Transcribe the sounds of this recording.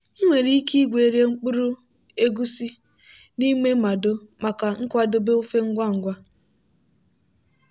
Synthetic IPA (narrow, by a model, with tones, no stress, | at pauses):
i˦ŋʷe˨ɾi˦i˦ki˦ɡʷe˨ɾje˦ŋ͡m̩˦k͡pʊ˦ɾʊ˦ | e˦ɡu˦si˦ | ni˦me˦ma˨do˦ma˨ka˨ŋ̩˦kʷa˦dʊ˦be˦o˦fe˦ŋ̩˦ɡʷa˦˨ŋ̩˨ɡʷa˦